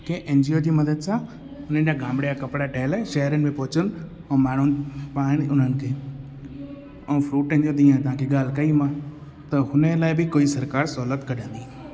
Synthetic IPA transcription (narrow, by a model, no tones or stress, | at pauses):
keʔẽːnd͡ʑiːoːd͡ʑiːmɐd̪əd̪sã | ʊn̤ənɪ̆d͡ʑaːɡãːmbɽejakɐpɽaʈʰeːlɛʃɐɦɾənɪ̆mẽpɔːt͡ɕən | õmaːɳ̤ʊnpaːɽ̃iʊn̤ənɪ̆kʰeː | õːfʰɾuːʈẽnd͡ʒõd̪iːãt̪ɐɦãkʰeɠaːl̤kɐimã | t̪ɐɦʊnəlaːɪbɪkoːisɐɾkaːɾsɔːlət̪kɐɗʱə̃nd̪ĩ